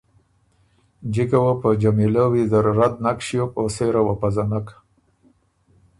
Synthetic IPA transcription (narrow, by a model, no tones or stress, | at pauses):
d͡ʒikawapəd͡ʒamilawizaɾːad̪̚nakʃijokoseɾawapazanak